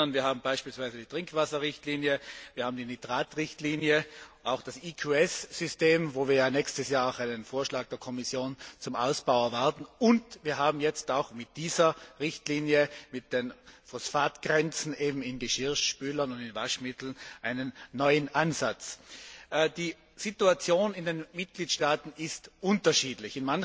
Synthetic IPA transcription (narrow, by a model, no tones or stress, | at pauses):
ɐnviːɐhaːbm̩baɪʃpiːlsv̥aɪzədiːtʁ̥ɪŋkʰv̥asɐʁɪçtliːnjəviːɐhaːm̩dinidʁaːtʁɪçtliːnjəʔaʊxd̥asikʰuɛsz̥ʏsteːmvoːviːɐjaːnɛçstəsjaːɐaʊxaɪnənfoːɐʃlaːɡ̚d̥eːɐkʰɔmɪsjoːnt͡sʊmʔa̰ʊsb̥aʊɐvaɐtn̩ʊntv̥iːɐɦaːbm̩jɛt͡staʊxmɪt̚d̥iːzɐʁɪçtliːnjəmɪt̚d̥enfɔsfaːtɡ̥ʁɛnt͡sn̩ʔeːbm̩ɪnɡəʃɪɐʃʃpyːlɐnʊndɪnvaʃmɪtl̩nʔaɪnənːɔʏənʔanzat͡sː | d̥iː | z̥ituat͡sjoːnɪndenmɪt̚ɡ̥liːtʃtaːtn̩ɪstʔʊntɐʃiːdlɪçɪnman